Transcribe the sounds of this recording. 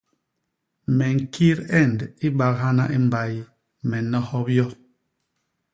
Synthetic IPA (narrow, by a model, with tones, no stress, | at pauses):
mɛ˨ŋ̩˨ki˦ɾɛ˦˨ndi˦ba˨kha˦na˦ʔi˦m̩˦ba˨j | mɛ˨nɔ˦hɔ˦pjɔ˦